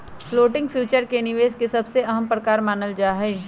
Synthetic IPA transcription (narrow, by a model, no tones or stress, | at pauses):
ploːʈɪ̃ŋɡpʰjuːt͡ʃəɾkenɪʋeːzkesɐbseɐɦəmpɾəkaːɾmaːnəld͡ʒaːɦɛː